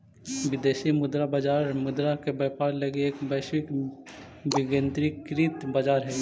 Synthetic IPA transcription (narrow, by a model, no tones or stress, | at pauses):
ʋɪd̪eːʃimʊd̪ɾabad͡ʒaːɾmʊd̪ɾakebəːpaːɾləɡieːkbəːʃwɪk | bɪɡə̃nt̪ɾikɾit̪bad͡ʒaːɾɦɛː